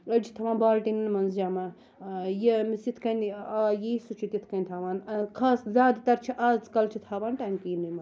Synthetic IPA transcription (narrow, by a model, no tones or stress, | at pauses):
lɐd͡ʒʰit̪ʰɐʋaːnbaːlʈinɨnmɐnzd͡ʒaːmaː | jemisit̪ʰkɐnaːjeisut͡ʃʰit̪ʲit̪ʰkɐnʲt̪ʰaːʋaːnɐkʰaːszʲaːd̪t̪ɐɾt͡ʃʰiʔaːzkɐlt͡ʃʰit̪ʰaːʋaːnʈaːnkiːnɨjmɐ